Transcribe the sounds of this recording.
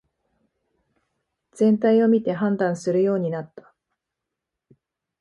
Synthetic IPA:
d͡zẽ̞nt̪aio̞mʲit̪e̞ɦãnd̪ãɰ̃sɨɾɯ̟jo̞ːɲ̟inat̪ːḁ

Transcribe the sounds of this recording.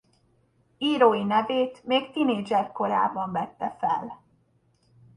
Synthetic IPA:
iːɾoːinɛveːt̪meːkt̪ineːd͡ʒɛrko̞ɾa̰ːbɒɱvɛt̪ːɛfɛ̰l

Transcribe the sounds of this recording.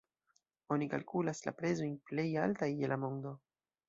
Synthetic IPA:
o̞nikalkulasla̰pɾe̞zo̞jnple̞jaltajelamo̞ndo̞

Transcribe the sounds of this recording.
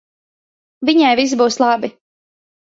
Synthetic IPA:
viɲajvis̬buːslˠɑbi

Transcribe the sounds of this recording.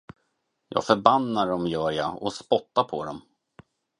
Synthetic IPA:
jɑ̰ːɡfœɾbanːaɖɔmjœːɾja̰ɔspɔt̪ːapʰɔd̪ɔm

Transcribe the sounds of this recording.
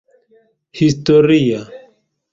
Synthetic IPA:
hist̪oɾija

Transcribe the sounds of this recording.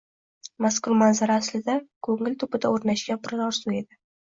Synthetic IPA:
maskʰʊɾmanzaɾaːslɪd̪akʰɵŋɪlʲt̪ʰʊpɪd̪aoɾnaʃɡʲapʰɾaɾɒɾsue̞d̪ɪ

